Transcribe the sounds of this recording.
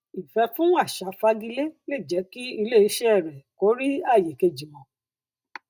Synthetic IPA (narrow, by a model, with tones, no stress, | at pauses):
i˨fɛ˧fũ˦a˦˨ʃa˨˦fa˧ɡi˧le˦le˦˨d͡ʒɛ˨˦ki˦i˧le˦˨i˨˧˦ʃɛ˦ɛ˦˨ɾɛ˨ko˨˦ɾi˦a˦˨je˨ke˧d͡ʒi˨mɔ̃˨˧˦